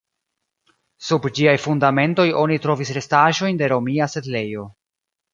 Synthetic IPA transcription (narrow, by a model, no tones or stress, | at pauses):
subd͡ʒiajfundame̞nto̞jʔo̞nitɾo̞visɾe̞staʒo̞jnde̞ɾo̞miase̞dle̞jo̞